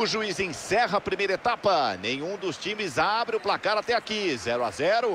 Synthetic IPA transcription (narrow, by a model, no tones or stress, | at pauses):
ʊʒuizẽsɛɦɐapɾimejɾɐet̪apɐnḛ̃j̃ũd̪ʊst͡ʃĩmɪzabɾɪʊplakaɾat̪ɛakizɛɾʊa̰zɛɾʊ